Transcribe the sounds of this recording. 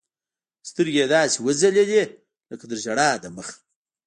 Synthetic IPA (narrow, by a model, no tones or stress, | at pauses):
st̪əɾɡed̪ɑːsiwəzalele | ləkad̪əʒaɽɑːd̪əməx